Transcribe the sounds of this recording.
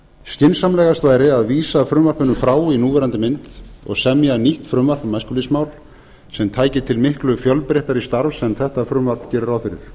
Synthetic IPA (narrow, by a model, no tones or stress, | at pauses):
scɪnsamlɛːɣast̪vaːjɾɪaðviːsafɾʏmvar̥pɪnʏmfɾaːwinuːvɛɾant̪ɪmɪnt̪ɔ̰ɣsɛmjaniht̪fɾʏmvar̥pmaskʏlɪsmawl | sɛmt̪ʰaːjcɪt̪ʰɪlmɪhklʏfjœlpɾɛht̪aɾist̪aɾvsɛmθɛht̪afɾʏmvaɾ̥pn̥cɛːɾɪɾawfɪɾɪ̰ɾ̥